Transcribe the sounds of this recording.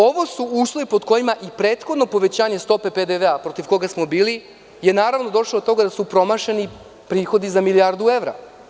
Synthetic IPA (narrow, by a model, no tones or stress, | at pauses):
o̞ʋo̞suuːslˠo̞ʋipo̞d̪ko̞jimaʔipɾe̞ːt̪xod̪no̞po̞ʋe̞t͡ɕaːɲe̞st̪o̞pe̞ped̪eʋeapɾo̞t̪iʋko̞ɡasmo̞biːli | jenaːɾaʋno̞d̪o̞ʃlod̪ot̪o̞ɡad̪asupɾo̞maʃeni | pɾiːxo̞d̪izamiliaːɾd̪ueʋɾa̰